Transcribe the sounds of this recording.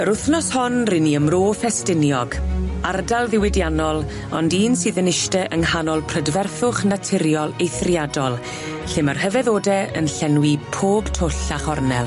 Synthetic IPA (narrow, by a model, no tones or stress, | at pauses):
əɾʊθnɔshʊnrɪniəmroːfɛstɪnjɔɡardalˠðɪwɪdjanɔlˠ | ɔ̰ndiːnsɨːðənɪʃtɛʔəŋhanɔlˠpʰrədvɛrθʊχnatʰɪɾjɔlˠejθrjadɔlˠ | ɬɪmarhəvɛðoːdɛə̰nɬɛnwipʰoːb̥tʰoɬaχɔrnɛ̰lˠ